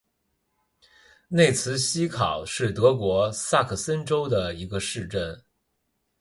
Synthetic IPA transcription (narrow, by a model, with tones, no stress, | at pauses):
ne˥˩ɪt͡sʰɹ̩˧˥ɕi˥kʰɑ̰˨˩ʊʂɻ̩˥˩t̪ɤ˧˥kwɔ˧˥sa˥˩kʰɤ˨˩sə˥nʈ͡ʂo˥ʊd̪ə˨i˧˥ɡə˧ʂɻ̩˥˧ʈ͡ʂə˥˩n